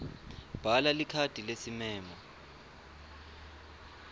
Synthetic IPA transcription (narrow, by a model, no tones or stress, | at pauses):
b̥ʱalalikʰatʼilesimɛːmɔ